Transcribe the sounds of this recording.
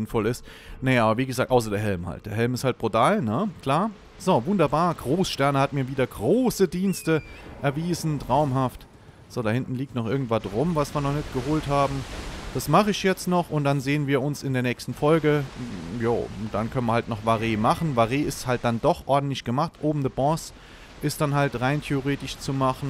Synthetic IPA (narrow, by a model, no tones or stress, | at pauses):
ɪnfɔlɪst | najʔaːbɐviːɡəzaːk̚tʔaʊs̬ɐdeːɦɛlmha̰ltd̥eːɐɦɛlmɪsthalt̚b̥ʁotʰaːlnəkʰl̥aːɐ | z̥oːvʊndɐbaːɐɡʁoːsʃtɛɐnəhat̚miːɐviːdɐɡʁoːsədiːnstəʔɛɐviːzn̩tʁ̥aʊmɦaft | z̥oːɾahɪntn̩liːk̚tnɔχʔɪɐɡŋ̩tv̥adʁʊmvasv̥iːɐnɔχnɛtɡ̥əhoːlthaːbm̩d̥asmaχəɪçjɛt͡stnɔχʊntd̥anzeːənviːɐʊnsɪndeːɐnɛːkstn̩fɔlɡəja̰ːd̥ankʰœnənviɐhaltnɔχvaʁeːmaχn̩vaʁeːɪsthalt̚d̥andɔχʔɔɐdn̩tlɪçɡ̥əmaχtʔoːbm̩dəbɔ̃ːs | ʔɪstd̥anɦaltʁaɪntʰeoʁeːtɪʃt͡sumaχn̩